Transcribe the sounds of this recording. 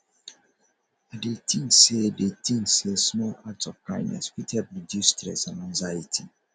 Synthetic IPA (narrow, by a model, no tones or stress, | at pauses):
adet̪ĩŋsedet̪ĩŋssesmɔlatsɔv̥kãɪ̃nːɛ̰swithɛlp̚widustɹɛ̰sãnãŋzajitʰi